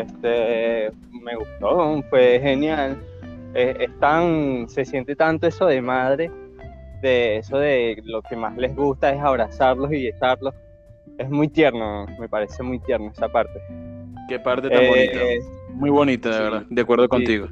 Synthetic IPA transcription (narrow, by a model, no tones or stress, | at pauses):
est̪e | me̞ɣust̪o̞fwexe̞njaleest̪aŋse̞sje̞nt̪et̪ant̪o̞e̞so̞ðe̞mað̞ɾe̞ðeeso̞ðe̞lo̞ke̞mazle̞zɣust̪ae̞saβ̞ɾasaɾlo̞siʝet͡ʃaɾlo̞s | e̞zmujt̪jeɾno̞me̞paɾe̞se̞mujt̪je̞ɾnoesapaɾt̪e̞kepaɾt̪etaeb | mujβonit̪aðeβeɾðad̪akwe̞ɾðokont̪iɣo